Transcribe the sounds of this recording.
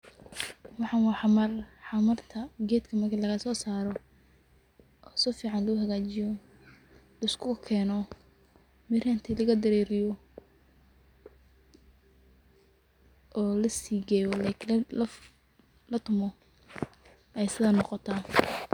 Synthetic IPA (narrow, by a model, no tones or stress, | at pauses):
wɑħɑnwɑħɑmɐrħɑmɐrt̪ʰɐɡɛːd̪kʰɐmɐrkʰiːnlɐɣɐsɔːsaːɾɔ | ʔɔsɔfiːʕɑnlɐʊɦɐɣaːt͡ʃɪjɔ | lɐɪskʰʊɣɐkʰɛːnɔ | mɪraːnt̪ʰilɐɣɐd̪ɐɾɛːɾɪjɔ | ʔɔːlɐsiːɡɛːjɔlaːkʰ | lɐt̪ʰʊmɔ | ʔɛjsɪðaːnɔqɔt̪ʰa